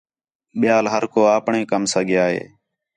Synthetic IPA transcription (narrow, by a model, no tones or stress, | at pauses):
ɓɪjaːlɦəɾkoːaːpɳẽːkəmsəɠjaːɦḛː